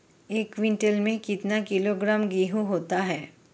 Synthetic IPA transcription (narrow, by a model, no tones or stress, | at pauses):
eːkʋɪ̃ɳʈelmẽkɪt̪nakɪloɡɾaːmɡiːɦũɦoːt̪aɦɛː